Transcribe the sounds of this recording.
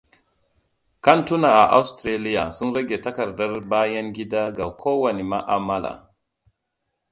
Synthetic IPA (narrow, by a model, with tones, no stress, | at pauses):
ka˦ntu˦na˨a˨ʔa̰˦wstɾe˦li˦ja̰˨su˦nɾe˦ɡe˨ta˦ka˨ɾda˦ɾbaː˦ja˦nɡi˦da˦ɡa˨kʰo˦wa˨ni˨ma˦ʔa˨ma˦la̰˨